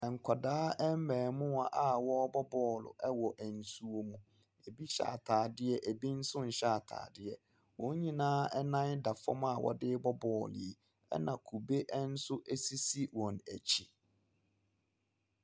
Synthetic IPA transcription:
ɛ˨ŋ̩˨kʷʰa˨daː˦ɛ˦m̩˦mɛ̃ː˨mʊ̃˦a˨ʔa˦wɔ˦bɔ˦bɔː˦˨lʊ̰˨ʔɛ˦wɔ˨ʔæ˨n̩˨su˨o˦mũ˨ | e˨bi˦ɕa̰ː˨tʰaː˨dɪ˦ɛ˦ʔæ˨bi˦n̩˦sʊ̃˦n̩˨ɕa˦˨tʰa̰ː˨dɪ˦ɛ˨ | wɔ̃˨˦ɲĩ˦nãː˦ɛ˦nã˦nda˨fɔ̰˦ma˦˨wɔ̰˨dɪ˦bɔ˦bɔː˨lɪ̰˨e˨ | ɛ̰˦nã˨kʰu˨be˦ʔn̩˦sʊ˦ʔe˦si˦si˦wɔ̃˨næ˨t͡ɕʰi˦

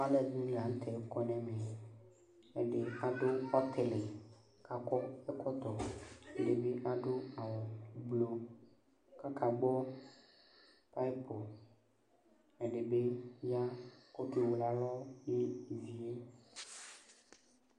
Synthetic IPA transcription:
a˦lɛ˦dĩ˦le˨a˨n˦t̪ʰɛ˨˦kɔ˦nɛ̃˨mẽ˨ | e˨ɖe˨a˨ɖo˦ɔ˦t̪ʰɛ˨le˨ | ka˨kɔ˦e˦kɔ˦t̪ɔ˨e˦ɖe˨be˦ʔa˦ɖo˦a˨wɔ˨˦blo˦ | ka˦ka˨ɡ͡bɔ˦ | pa˦i˦po˨ | e˨ɖe˨be˦ja˦ko˦t̪e˦wo˨la˨lɔ˦je˦˨vi˦e˦

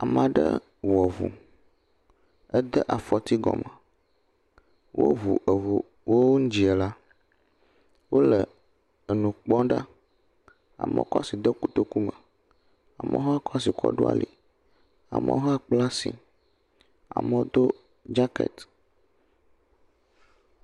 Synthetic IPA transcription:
a˨mã˨ɖə̰˦ | wɔ˨vṵ˨ | ə˦d̪ə˦ʔa˨fɔ˨t̪i˦ɡɔ̰˨mə˨ | wʔo˦vu˨ʔə˨vo˨ | wo˦wo˦ŋ̩̃˦d͡ʒi˨ɛ˨la˦ | wo˦lə˨ | ə˨nũ˨k͡pɔ̃˦ɖa˦ | a̰˨mɛ̰˦kɔ̰˦si˨d̪ɛ˦ku˦t̪o˦ku˦mə˨ | a˨mɛ̰̃˦ɦɔ˦a˦kɔ˦si˨kɔ̰˦ɖo̰˦a̰˨lḭ˨ | a̰˨mə̰̃˦ɦɔ˦a˦k͡pla˦sḭ˨ | a̰˨mə̃˦d̪o˦ | d͡ʒa˦kḛ˨t̪

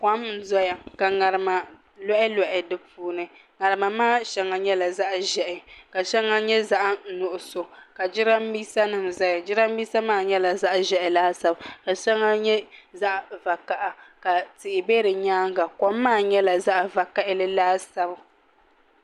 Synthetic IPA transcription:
kʷa˦mn̩˨zɔ˦ja˨ka˨ŋa˨ɾɨ˨ma˨ | lɔ˦ʔɪ˦lɔ˨ʔɪ˨dɨ˦pʰuː˦nɨ˨ | ŋa˨ɾɨ˨ma˨maː˦˨ʃɛ˦ŋa˨ɲɛ˦la˨za˦ʔʒɛ˨ʔɪ˨ka˨ʃɛ˦ŋa˦ɲɛ˦za˦ʔa˦n̩˨nʊ˦˨ʔʊ˨so˨ka˨d͡ʒɪ˦ɾa˦m˦biː˦sa˦nɨ˨mza˦ja˨d͡ʒɪ˦ɾa˦m˦biː˦sa˦maː˦˨ɲɛ˦la˨za˦ʔʒɛ˦ʔɪ˨laː˦sa˦bka˨ʃɛ˦ŋa˦ɲɛ˦za˦ʔva˨ka˨ʔa˨ka˨tɪ˨ʔɪ˨be˦ɾɨ˨ɲaː˦ŋɡa˨kɔ˨˦mːaː˦˨ɲɛ˦la˨za˦ʔva˨ka˦ʔɪ˦lɨ˦laː˦sa˦ba˨

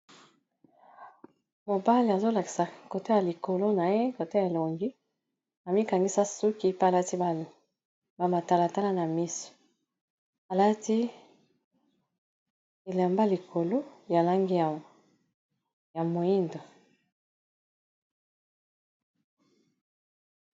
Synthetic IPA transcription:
mo˨ba˦le˨a˨zo˦la˨ki̥˨sa˨ko˨to˦ja˨li˨ko˨lo˦na˨je˦ko˨to˦a˨lo˨ŋɡi˦ | a˨mi˦ka˨ŋɡi˦sa˦su˦ki˦pa˨la˦ti˦a˨ | ba˨ma˨ta˨la˨ta˦la˦na˨mi˦so̥˨ | a˨la˦ti˦ | e˨la˨mba˦li˨kʰo˨lo˦ja˨la˦ŋɡi˦a˨ | ja˨mo˨i˦ndo˨

